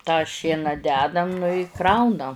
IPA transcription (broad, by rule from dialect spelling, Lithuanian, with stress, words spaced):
tɑː ˈʃʲiɛnɐ ˈdʲæːdɐm nʊ ɪ ˈkrɐʊnɐ